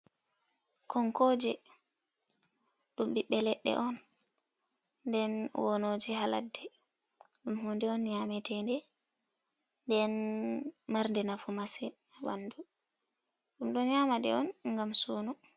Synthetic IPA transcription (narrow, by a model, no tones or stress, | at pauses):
kɔŋkoːd͡ʒɛ | ɗumɓiɓːɛlɛɗːɛ̰ʔɔn | dɛnwɔnod͡ʒɛhala̰dːɛ | ɗumhundɛɔnɲamɛtɛndɛ | ndɛn | maɾndɛnafumasɛaba̰ndu | ɗumɗɔɲaːmadɛ̰ɔ̰nŋɡamsunu